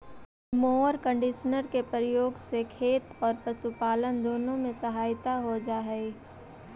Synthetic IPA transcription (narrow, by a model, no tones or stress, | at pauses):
moːəɾkə̃ɳɖɪʃnəɾkepəɾɪjoːɡsekʰeːt̪ɔːɾpɐʃupaːlənd̪oːnõmẽsɐɦaːjt̪aɦod͡ʒaːɦɛ